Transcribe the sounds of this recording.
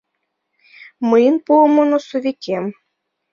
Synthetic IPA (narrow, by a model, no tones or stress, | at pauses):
məjənpuəmonosovikʲem